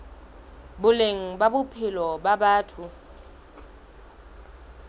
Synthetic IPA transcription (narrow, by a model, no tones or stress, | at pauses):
bʊleŋ̩babʊpʰɪlɔbabaːtʰʊ